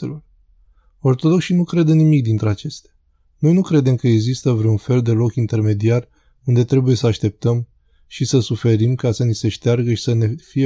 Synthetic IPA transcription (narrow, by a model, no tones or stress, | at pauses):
elo | o̞rt̪o̞d̪o̞kʃinukɾe̞d̪ənimikd̪int̪ɾe̞at͡ʃe̞st̪ḁ | no̞jnukɾe̞d̪e̞mkəeɡzist̪əvɾe̞unfe̞ld̪e̞lo̞kint̪e̞rme̞d̪iar | und̪e̞t̪ɾe̞buje̞səaʃt̪e̞p̚t̪əm | ʃisəsufe̞ɾimkasənise̞ʃt̪earɡəʃi̥səne̞fije